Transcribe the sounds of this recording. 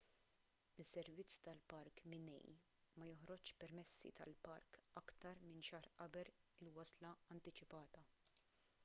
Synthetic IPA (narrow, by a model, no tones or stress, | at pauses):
ɪsːɛɾvɪt͡sːt̪ɐlpɐɾkmɪnɛ̰j | mɐjɔħɾɔt͡ʃpɛɾmɛsːḭt̪ɐ̰lpɐɾkɐkt̪ɐɾmɪnʃɐːɾʔɐbɛlɪlwɐslɐɐnt̪ɪt͡ʃɪpɐːt̪ɐ